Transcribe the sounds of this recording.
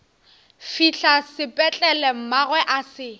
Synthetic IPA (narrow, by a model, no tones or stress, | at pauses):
fiɬasɪpʼɛt͡ɬʼɛlɛm̩maɣwɛʔasɪ